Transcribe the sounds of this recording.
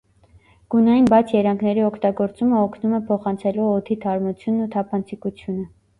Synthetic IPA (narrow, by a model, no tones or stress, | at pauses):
ɡ̥unɑjinbɑt͡sʰjɛɾɑŋkʰnɛɾiɔkʰt̪ɑɡɔɾt͡suməɔkʰnumɛpʰɔχɑnt͡sʰɛluɔt̪ʰit̪ʰɑɾmut͡sʰjunːut̪ʰɑpʰɑnt͡sʰikut͡sʰjunə